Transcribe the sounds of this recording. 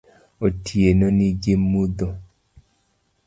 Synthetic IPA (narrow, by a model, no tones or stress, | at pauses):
otʰienɔniɡemːud̪o